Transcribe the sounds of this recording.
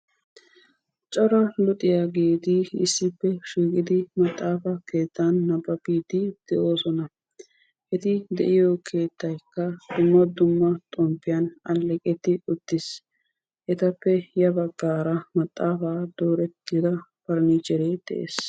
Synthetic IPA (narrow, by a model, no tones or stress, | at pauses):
t͡ʃʼɔɾɐlʊt̪ʼɪjaɡeːt̪ɪɪsːɪpːɛʃiːkʼɪd̪ɪmɐt̪ʼːaːfɐke̞ːt̪ːaɐnːɐbɐbiːt̪ɪd̪̥ɛʔo̞ːsɔnɐ | ʔɛt̪ɪd̪ɛ̰ʔɪjɔkʰe̞ːt̪ːɐjkːɐd̪ʊmːɐd̪ʊmːɐt̪ʼɔmpːɪjɐnɐlːɛkʼɛt̪ːɪʊt̪ːɪs | ʔɛt̪ɐpːɛjɐbɐɡːaːɾɐmɐt̪ʼːaːfaːd̪o̞ːɾɛɡɪd̪ɐpɐɾniːt͡ʃɛɾeːd̪̥ɛ̰ʔḛːs